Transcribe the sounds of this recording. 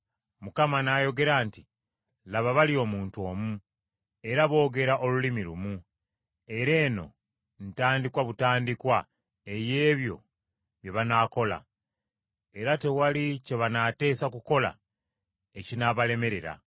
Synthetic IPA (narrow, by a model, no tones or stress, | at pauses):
mukamanajo̞ɡe̞ɾaːnti | laβaβalio̞muːntuo̞ːmu | e̞ɾaβo̞ːɡe̞ɾaʔo̞lulimiɾumu | e̞ɾe̞ːno̞̰ | n̩taːndikwaβutaːndikwa | e̞je̞ːβjo̞̰ | βje̞βanaːko̞la̰ | e̞ɾate̞walice̞βanate̞ːsakuko̞la̰ | ecinaβale̞me̞ɾe̞ɾa̰